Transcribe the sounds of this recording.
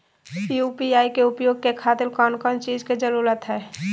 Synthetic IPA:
piuːpiaːikeʊpjoːɡ̚kekʰaːt̪ɪlkɔːnkɔːnt͡ʃiːd͡ʒked͡ʒəɾuːɾət̪ɦɛː

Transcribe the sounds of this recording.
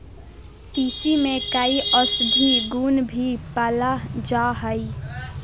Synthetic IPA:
t̪iːsimẽkaiʔɔsd̪ʱiɡuːnbʱipəlad͡ʒaːɦəi

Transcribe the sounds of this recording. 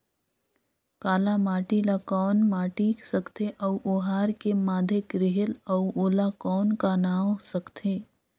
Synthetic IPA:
kaːlamaːʈilakɔːnmaːʈiksəkt̪ʰeʔəuʔoːɦaːɾkemaːd̪ʱekɾɪɦeləuoːlakɔːnkanaːwsəkt̪ʰeː

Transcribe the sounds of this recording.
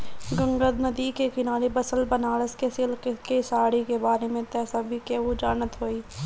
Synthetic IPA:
ɡə̃ŋɡəd̪nəd̪iːkekɪnaːɽebɐsəlbənaːləskesɪlkkesaːɽikebaːɾemẽt̪ɛːsabʱikeɦud͡ʒaːnət̪ɦoːiː

